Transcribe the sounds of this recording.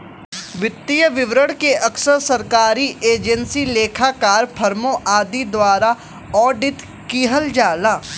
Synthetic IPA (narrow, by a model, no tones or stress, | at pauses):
ʋɪt̪ːijəʋɪʋɾəɽkeʔɐksəɾsɐɾkaːɾiʔeːd͡ʒənsileːkʰakaːɾpʰɐɾmõʔaːd̪id̪waːɾa | ɔːɖɪt̪ | kiːɦəld͡ʒaːlaː